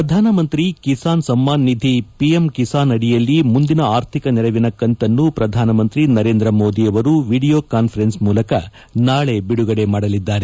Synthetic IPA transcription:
pɾɐd̪ʱaːnɐmɐnt̪ɾikisaːnsɐmːaːnːid̪ʱipijemkisaːnɐɽijɐlːimund̪inɐaːɾt̪ʰikɐnɛɾɐʋinɐkːɐɳʈɐnːupɾɐd̪ʱaːnɐmɐnt̪ɾinɐɾe̞ːnd̪ɾɐmoːd̪iɐʋɐɾuʋiːɽijo̞ːkaːnpʰɐɾe̞nsmuːlɐkɐ | naːɭe̞biɽuɡɐɽe̞maːɽɐlid̪ːaːɾe

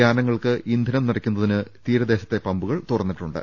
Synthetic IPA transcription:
aːnɐŋːɐɭkɨʔind̪ʱinɐmnirɐkʲːunːɐðinɨt̪iːɾɐd̪e̞ːɕɐ̥t̪ːe̞pɐmbuɣɐɭt̪urɐnːiʈːuɳɖɨ̰

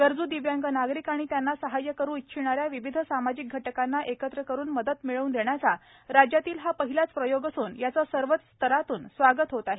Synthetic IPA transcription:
ɡ̥əɾd͡zuːd̪iʋjaŋɡənaɡɾikaɽ̃it̪janːasəɦajəkəɾũːit̪̚t͡ɕʰiɽ̃aɾjaʋiʋid̪ʱəsamad͡ʑik̚ɡʱəʈəkanːaʔekət̪ɾəkəɾuːnməd̪ət̪miɭəuːnd̪eɳjat͡sa | ɾad͡ʑjat̪iːlɦapəɦilat͡spɾəjoɡəsuːnjat͡səsəɾʋət͡s̪st̪ʰəɾat̪uːnsʋaɡət̪ɦot̪aɦe

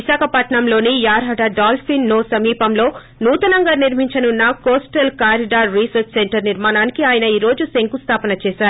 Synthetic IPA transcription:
iʃaːkʰɐpɐʈɳɐmlo̞ːnijaːɾɦɐɽɐɖaːlfinːoːsɐmiːpɐmlo̞ː | nuːt̪ɐnɐŋɡɐɾniɾm̤iɲt͡ʃɐnunːɐkoːsʈɐlkaːɾiɖaːɾːisɐɾt͡ʃseɳʈɐɾniɾmaːnaːnikiaːjɐnɐiːɾo̞ːd͡ʒuseŋkust̪ʰaːpɐnɐt͡ʃɛːsaːɾu

